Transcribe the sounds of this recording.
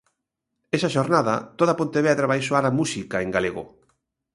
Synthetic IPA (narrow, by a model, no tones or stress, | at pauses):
ɛsaʃoɾnaðɐ̰t̪oðɐpont̪eβɛðɾaβajsoaɾamusikaeŋɡaleɣo̰